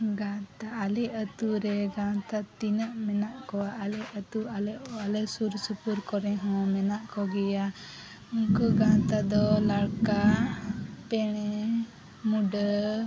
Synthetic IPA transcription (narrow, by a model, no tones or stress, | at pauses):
ɡãt̪aːlɛət̪uɾɛɡãt̪at̪inəʔmɛnaʔkɔaʔːlɛət̪ualɛʔalɛsuɾsupuɾkɔɾɛ̃ɦɔ̃mɛnaʔkɔɡɛja | mukuɡãt̪ad̪ɔlaɽka | pɛɽ̃ɛ | muɖə